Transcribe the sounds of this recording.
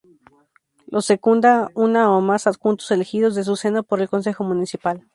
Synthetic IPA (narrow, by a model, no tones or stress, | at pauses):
lʔosekund̪aunaomasatkunt̪ose̞lexiðo̞zðe̞s̬use̞nopo̞ɾe̞lko̞ns̬e̞xo̞mũnisipal